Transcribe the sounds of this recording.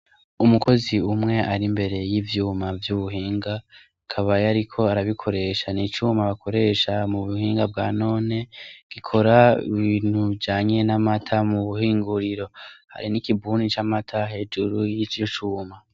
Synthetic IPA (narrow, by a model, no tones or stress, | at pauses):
umuko̞ziumŋe̞ʔaɾimbe̞ɾe̞jivjuːmavjuβuɦiːŋɡa | kʰaβajaɾikʰo̞aɾaβikʰo̞ɾe̞ːʃanit͡ʃuːmaβakʰo̞ɾe̞ʃamuβuhiːŋɡabɡaːno̞ːne̞ɡ̥ikʰo̞ɾaḭβiːn̥hud͡ʒaːɲe̞namatʰamuβuhiːŋɡuɾiɾo̞ha̰ɾinikibuːnit͡ʃamatʰaɦe̞d͡ʒuɾujit͡ʃit͡ʃuːma